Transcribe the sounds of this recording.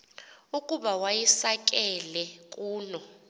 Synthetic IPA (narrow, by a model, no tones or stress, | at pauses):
ukʼuɓawajisak̬ʼɛlɛkʼuːnɔ